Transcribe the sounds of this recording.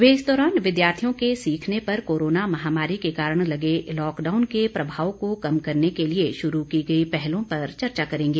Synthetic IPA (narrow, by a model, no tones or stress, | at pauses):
ʋeːɪsd̪ɔːɾaːnʋɪd̪jaːɾt̪ʰijõkesiːkʰnepɐɾkoːɾoːnamɐɦaːmaːɾikekaːɾəɽ̃lɐɡelɔːkɖaːʊnkepɾɐbʱaːʋokokɐmkɐɾnekelieʃʊɾukiɡɐipɛɦlõpɐɾt͡ʃɐɾt͡ʃakɐɾẽːŋɡeː